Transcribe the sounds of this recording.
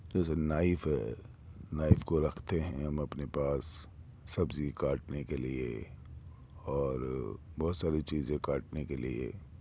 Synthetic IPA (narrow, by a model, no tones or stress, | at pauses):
d͡ʒɛːsenaːɪfɦɛ̰ː | naːɪfkoɾɐkʰt̪eɦɛ̃ɦɐmɐpnepaːsː | ɐbzikaːʈnekeliḛ | ɔːɾbɔːt̪saːɾit͡ʃiːzẽkaːʈnekelḭḛ